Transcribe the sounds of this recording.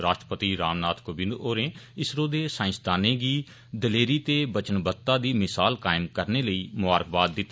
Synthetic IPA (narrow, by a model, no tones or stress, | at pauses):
ɾaːʃʈɾəpət̪iːɾaːmnaːt̪ʰkobɪnd̪oːɾẽːɪsɾoːd̪eːsãːɪ̃sd̪aːnẽːɡiː | d̪əleːɾiːt̪eːbət͡ʃənbət̪ːãːd̪iːmɪsaːlkaːɪmkəɾneːləiːmʊaːɾəkʰbaːt̪̚d̪ɪt̪ː